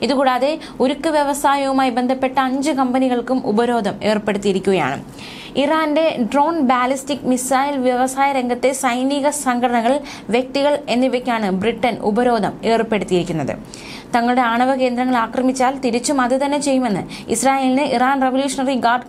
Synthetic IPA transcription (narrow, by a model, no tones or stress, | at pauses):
iðukuːɽaːðe̞ | oɾukːɨʋjɐʋɐsaːjɐʋumaːjibe̞nd̪ʱɐpːe̞ʈːɐɐɲd͡ʑɨkɐmbɐniɣɐɭkumṵbɐɾo̞ːd̪ʱɐme̞ːrpːe̞ɽut̪ːijiɾikʲːuɣɐja̰ːɳɨ̰ | iraːnde̞ɖro̞ːnbaːlistikmisaːjilʋjɐʋɐsaːjɐɾeŋɡɐt̪ːe̞sɐjniːɣɐsɐŋɡʰʱɐɽɐɳɐɣɐɭ | ʋjek̚t̪iɣɐɭe̞nːiʋɐkʲːaːɳɨbriʈːɐnʔṵbɐɾo̞ːd̪ʱɐme̞ːrpe̞ɽut̪ːijiɾikʲːunːɐðɨ̰ | t̪ɐŋːɐɭuɽe̞aːɳɐʋɐke̞ːnd̪ɾɐŋːɐɭaːkrɐmit͡ɕːaːlt̪iɾit͡ɕːumɐðɨt̪ɐnːe̞t͡ɕe̞jːume̞nːɨḭsraːjeːlinɨʔiraːnreʋɐljuːʂɐnɐriɡaːrɖ